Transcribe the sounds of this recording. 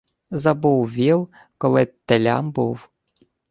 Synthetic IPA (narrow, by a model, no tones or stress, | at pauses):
zɐbuwʋʲilˠ | kɔlˠɪt̪elʲa̰mbuw